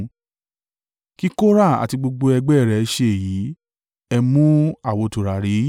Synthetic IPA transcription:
ki˦ko˦ɾa˦˨a̰˨ti˧ɡ͡bo˧ɡ͡bo˧ɛ˧ɡ͡bɛ˦˨ɾɛ˨˧ʃe˧e˨jiː˨˦ | ɛ˧mũ˦a˦˨wo˧tu˨ɾa˨ɾi˨˦

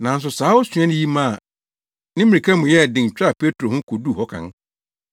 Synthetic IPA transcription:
nã˨n̩˦s̬ʊ˨saː˨˦wʊ˦sɥ̃ɛ̃˦nʊ̃˦ji˦mã˦˨ | nɪ̃˦mɪ̃˨ɾi˨kʰã˦mʊ̃˨jɛ˦˨dɪ̃˨ŋ˨t͡ɕᶣa˦˨pʰe˦tʰɾo˨hʊ̃˦kʰʊ˨du˦˨hɔ˦kʰã̰˨n

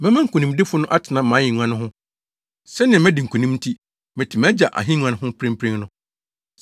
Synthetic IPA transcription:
mɛ̃˦mã˦ŋ̩˨kʰũ˨nĩ˨mdɪ˦fʊ˦nʊ̃˦ʔa˦tʰɪ˨nã˨mã˨˦ɲɪ̃˨ɲu˨˦ã˦nʊ̃˦ɦʊ̃˦ | sɛ˦nɪ̃˨ɛ˨mɛ̃˦di˨ŋ̩˨kʰũ˨nĩ˦m˦tʰi˦ | mɪ̃˨tʰi˨mɛ̃˦d͡ʑa˨ʔa̰˨ɦĩ˦ɲũ˦ã˨˦ʊ̃˦ɦʊ̃˦pʰɾɪ̃˦m˦pʰɾɪ̃˦ŋnʊ̃˦

